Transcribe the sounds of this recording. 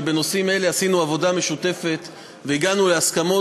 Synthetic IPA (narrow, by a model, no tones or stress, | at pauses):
beno̞sime̞le̞asinuavo̞dame̞ʃut̪e̞fe̞t̪ | veiɡanuleaskamo̞